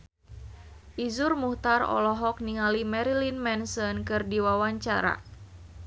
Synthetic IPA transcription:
ʔizurmuht̪arɔ̰lɔɦɔk̚niŋalimɛɾilinmɛnsɔnkɨrdiwawaɲt͡ʃaɾa̰

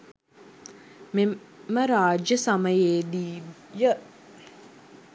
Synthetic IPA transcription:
me | məɾaːd͡ʒəsɐməjeːd̪iː | jə

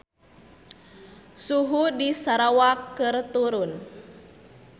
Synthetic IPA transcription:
suɦudisaɾawakːɨrt̪uɾun

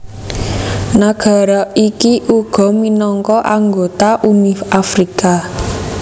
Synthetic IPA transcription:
naɡ̥a̤ɾɔikiʔuɡ̥ɔ̤minɔŋkɔʔaŋɡot̪aʔumifafɾika

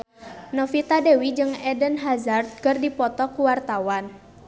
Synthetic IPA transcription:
nɔfit̪adewid͡ʒɨŋɛdənɦazart̪̚kərdipɔt̪ɔkuwart̪awan

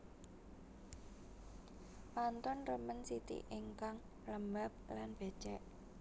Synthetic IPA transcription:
pant̪ʊnrəmənsit̪ḭʔeŋkaŋ | ləmbap̚lanb̥e̤̥t͡ʃɛʔ

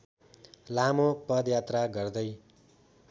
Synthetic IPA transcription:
lamopʌd̪jat̪raɡʌrd̪ʌj

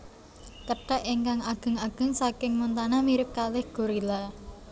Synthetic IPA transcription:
kəɖ̥a̤ʔiŋkaŋaɡ̥ə̤ŋaɡ̥ə̤ŋsakɪŋmunt̪anamiɾɪp̚kalɪhɡ̥o̤ɾila

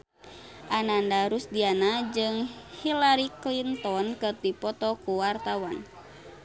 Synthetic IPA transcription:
ʔanandaɾusdianad͡ʒɨŋhilaɾiklint̪ɔnkɨrt̪ipɔt̪ɔkuwart̪awan

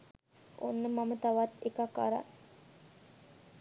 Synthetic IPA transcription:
onːəmamət̪aʋat̪ekaka̰ɾa̰n

